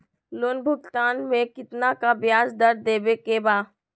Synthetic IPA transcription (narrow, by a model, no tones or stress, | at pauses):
loːnbʱʊɡt̪aːnmẽkɪt̪nakabjaːzd̪ɐɾd̪eːbekebaː